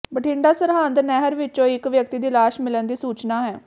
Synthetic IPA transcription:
bəʈʰɪɳɖaːsəɾɦaːnd̪nɛːɦəɾʋɪt͡ʃõːɪkʋjək̚t̪iːd̪iːlaːʃmɪlənd̪iːsuːt͡ʃnaːɦɛː

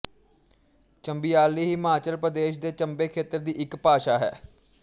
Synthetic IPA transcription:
t͡ʃəmbiːaːliːɦiːmaːt͡ʃəlpɾəd̪eːʃd̪eːt͡ʃəmbeːkʰeːt̪əɾd̪iːʔɪkpaːʃaːɦɛ̰ː

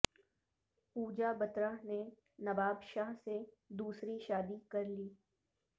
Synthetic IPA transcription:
puːd͡ʒabɐt̪ɾaɦne | nɐbaːbʃaːɦse | d̪uːsɾiʃaːd̪ikɐɾliː

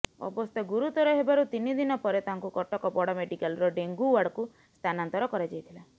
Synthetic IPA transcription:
ɔ̰bɔst̪ʰɔɡuɾut̪ɔɾɔɦebaɾut̪inid̪inɔpɔɾet̪aɦaŋkukɔʈɔkɔpɔɽɔmeɖikalɔɾɔɖeŋɡuwaɽku | st̪ʰanant̪ɔɾɔkɔɾad͡ʒajt̪ʰila

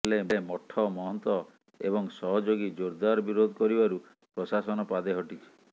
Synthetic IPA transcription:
leemɔʈʰːɔmɔɦɔnt̪ɔ | ḛbɔŋsɔɦɔd͡ʒoɡid͡ʒoɾd̪aɾɔbiɾod̪ʱɔkɔɾibaɾu | pɾɔsasɔnɔpad̪eɦɔʈit͡ʃʰi̥

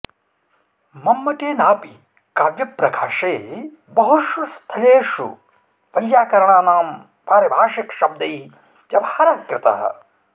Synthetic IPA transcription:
mɐmːɐʈeːnaːpi | kaːʋjɐpɾɐkʰaːʂeː | bɐɦuʃust̪ʰɐɭeːʂṵ | ʋɐjːaːkɐɾɐɳaːnaːm | paːɾɐbʱaːʂikʃɐb̚d̪ɐj | t̪ɐbaːaɾaːkɾɪt̪ɐ̰ɦɐ̰

